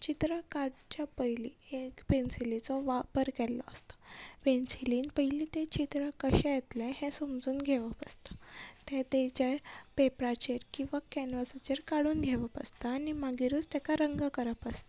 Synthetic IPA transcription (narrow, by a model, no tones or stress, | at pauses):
t͡ɕit̪ɾakaɽt͡ɕjapəjliekpensilit͡sɔʋapəɾkɛlɔ̰əst̪ḁʋensiliːnpəjlit̪et͡ɕit̪ɾakəɕajet̪lɛ̃ɦɛ̃somd͡zuːnɡʱɛʋapəst̪ḁt̪ɛ̃t̪et͡ɕepepɾat͡ɕeɾkĩw̃ʋakɛnʋəsat͡ɕeɾkaɽuːnɡʱɛʋəpəst̪aːnimaɡiɾuːt͡st̪ɛkaɾəŋɡakəɾapəst̪ḁ